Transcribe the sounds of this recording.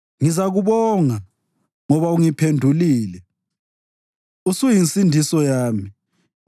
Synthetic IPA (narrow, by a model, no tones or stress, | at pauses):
ŋizaɣuβɔŋa | ŋɔβauŋipʰendʱuliːlɛ | usujinsʼindʱisɔjaːmi